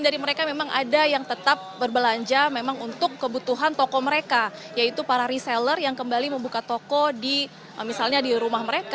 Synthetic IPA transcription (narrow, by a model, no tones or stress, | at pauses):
ndaɾiməɾekamemaŋʔa̰dajaŋt̪ət̪ap̚bərbəlaɲd͡ʒamemaŋunt̪ʊkːəbut̪uɦant̪ɔkɔməɾeka | jait̪upaɾaɾiselərjaŋkəmbaliməmbukat̪okɔdi | misalɲadiɾumahməɾek